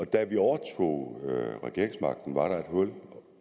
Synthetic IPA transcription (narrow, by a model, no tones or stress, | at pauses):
ɒ̽d̥æʋiɒʊɐt͡sʰo̝̰ːʁɛɡ̥ḭɐeŋsmɑ̈ɡ̥̚d̥n̩ʋɑ̈ɾ̥ɑ̈e̝d̥ɦɔ̽l